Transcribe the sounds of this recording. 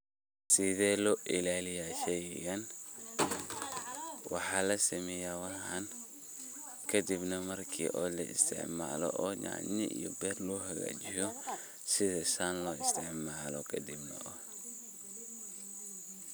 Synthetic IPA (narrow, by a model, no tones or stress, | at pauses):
sɪðɛːlɔʔɪlaːlɪjaʃɛjɣɐn | wɑħɑːlɐsɐmɛːjawɑɦan | kʰɐd̪ibnɐmɐrkʰḭːʔɔːlɐɪ̰st̪ʰɪ̰ʕma̰ːlɔ̰ʔɔːɲa̰ʕnɪ̰ʔḭjɔ̰bɛːrlɔɦɐɣa̰ːt͡ʃɪjɔ | sɪðɛsaːnlɔːɪst̪ʰɪʕmaːlɔkʰɐd̪ibnɐ̰ʔɔ